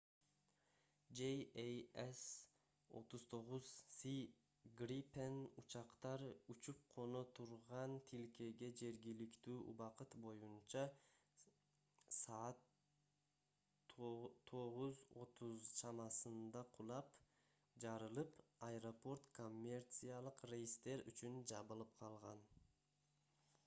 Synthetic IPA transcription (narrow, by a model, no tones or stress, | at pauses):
d͡ʒejejes | o̞̰t̪uzt̪ʰo̞ʁuzsi | ɡripenut͡ʃɑqt̪ɑɾut͡ʃup̚qʰo̞no̞t̪ʰuɾʁɑnt̪ʰilke̞ɡe̞d͡ʒe̞ɾɡilikt̪yːʔṵβɑqɯt̪bo̞junt͡ʃɑ | sɑːt̪ | o̞ʁuzo̞t̪ʰuzt͡ʃʰɑmɑsɯnd̪ɑqʰulˠɑp | d͡ʒɑɾɯlˠɯpaeɾo̞po̞rt̪kʰo̞mʲːe̞rt̪sɨjalˠɯqrejist̪e̞ɾy̰t͡ʃynd͡ʒɑβɯlˠɯp̚qʰɑlˠʁɑ̰n